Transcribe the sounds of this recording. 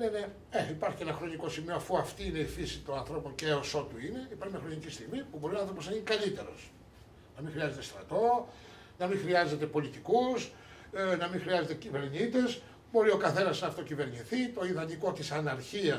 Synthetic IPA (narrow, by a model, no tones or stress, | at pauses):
nene̞ | eipɐɾçice̞nɐxɾo̞ɲiko̞simio̞ɐfuɐft̪iine̞ifisit̪o̞nɐnθɾo̞po̞ɲceoso̞t̪uine̞ipɐɾçimɐxɾo̞ɲicist̪iɣmipubo̞ɾionɐãnθɾopoznɐʝinikɐlit̪e̞ɾo̞̰s | nɐmiŋxɾiɐze̞t̪est̪ɾɐt̪o̞ | nɐmĩŋxɾiɐze̞t̪e̞po̞lit̪ikus | nɐmĩŋxɾiɐze̞t̪e̞cive̞ɾɲit̪e̞s | bo̞ɾio̞kɐθe̞nɐznɐːft̪o̞cive̞ɾɲiθit̪o̞iðɐɲiko̞t̪isɐnɐɾçiɐ